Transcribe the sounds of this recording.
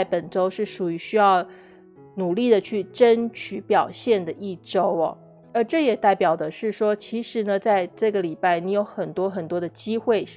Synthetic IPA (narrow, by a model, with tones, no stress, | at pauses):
a˥˩ɪpə˨˩nʈ͡ʂo˥ʊʂɻ̩˥˩ʂu˨˩y˧˥ɕy˥jɑ˥˩ʊ | nu˨˩li˥˩d̪ə˩t͡ɕʰy˥˩ʈ͡ʂə˥nt͡ɕʰy˧˥pjɑ˨˩ʊɕjɛ˥˩nd̪ə˩ʔi˥˩ʈ͡ʂo˥ʊ̰˨ | ə˞˧˥ʈ͡ʂɤ˥˩jɛ˨˩t̪a˥˩ɪpjɑ˨˩ʊd̪ə˦ʂɻ̩˥˩ʂwɔ˥t͡ɕʰi˧˥ʂɻ̩˧˥nə˧t͡sa˥˧ɪʈ͡ʂɤ˥˩ɡə˩li˨˩pa˥˩ɪni˧˥jo˧˥ʊxə˨˩nt̪wɔ˥xə˨˩nt̪wɔ˥d̪ə˨t͡ɕi˥xwe˥˩ɪ